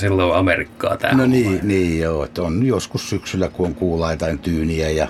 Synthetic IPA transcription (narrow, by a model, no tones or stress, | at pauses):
silːoɑmerikːɑ̰ːt̪æ̰noniːniːjoːet̪ːonnyjoskussyksylːækuoŋkuːlɑˑit̪ɑint̪yːniæjɑ